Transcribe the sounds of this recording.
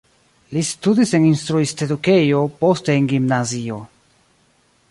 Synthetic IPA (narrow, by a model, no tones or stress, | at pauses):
listudise̞ninstɾuisteduke̞jo̞po̞ste̞ːnɡimnazio̞